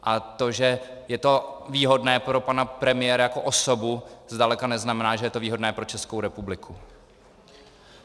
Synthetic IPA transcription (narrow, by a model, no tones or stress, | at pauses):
ʔat̪o̞ʒɛ | jɛt̪o̞viːɦo̞dnɛːpɾo̞panapɾɛmɪjɛːɾajako̞ʔosobuzdalɛkanɛznamɛnaːʒɛjɛt̪o̞viːɦodnɛːpɾo̞t͡ʃɛskowɾɛpublɪkʰu